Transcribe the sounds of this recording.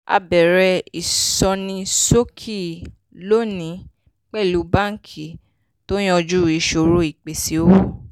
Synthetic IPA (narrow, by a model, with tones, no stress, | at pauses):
a̰˧bɛ˨ɾɛ˧i˨sɔ˧nĩ˧so˦kʰi˦˨ | lo˦nĩ˨˦ | k͡pɛ˦˨lu˨˦bã˦ŋ̩˦kʰi˦˨ | to˦j̃ɔ̃˦˧d͡ʒu˦˨ɾi˨˦ʃo˧˨ɾo˦i˦˨k͡pe˨si˨˦o˦wo˦˨